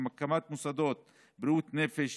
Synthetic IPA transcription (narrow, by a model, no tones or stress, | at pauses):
makamat̪musad̪ot̪̚ | bɾiut̪nefeʃ